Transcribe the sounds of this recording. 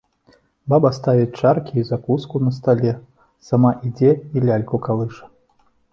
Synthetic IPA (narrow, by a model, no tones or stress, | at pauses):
babɐst̪avʲit͡sʲt͡ʂarkʲiːzakuskunɐst̪alʲɛ | samaʔid͡zʲɛilʲalʲkukalˠɨʂɐ̥